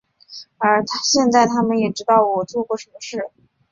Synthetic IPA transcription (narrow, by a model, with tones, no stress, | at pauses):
ə˞˧˥t̪ʰɕjɛ˥˧nt͡sa˥˩ɪt̪ʰa˥mə˨njɛ˨˩ʈ͡ʂɻ̩˥t̪ɑ˥˩ʊwɔ˨˩t͡swɔ˥˧kwɔ˥˩ʂə˧˥mə˧ʂɻ̩˥˩